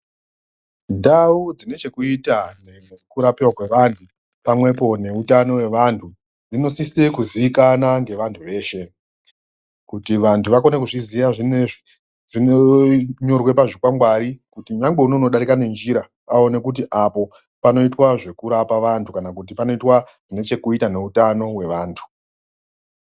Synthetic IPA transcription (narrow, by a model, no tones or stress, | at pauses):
ndaud͡zine̞t͡ʃe̞kuitanekuɾapirwakwe̞ʋantʰu | pamwe̞po̞ne̞utano̞we̞ʋantʰu | rino̞sise̞kuziʋikanaŋɡe̞ʋantʰuʋe̞ːʃe̞ | kutiʋantʰuʋakonekuʐizijaʐine | ʐinoɲo̞rwe̞paʐikwaŋɡwaɾikutiɲaŋɡ͡be̞unouno̞ɗaɾikane̞nd͡ʒiɾa | ao̞ne̞kut̬iʔapo̞ | pano̞itwaʐe̞kuɾapaʋantʰukanakut̬ipano̞itwa | ʐ̥ine̞t͡ʃe̞kuitane̞utano̞we̞ʋaːntʰu̥